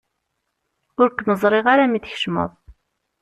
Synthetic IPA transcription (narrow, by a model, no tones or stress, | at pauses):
ʊɾkːnəzˤɾˤɪʁaɾamiθçə̥ʃmə̰ðˤ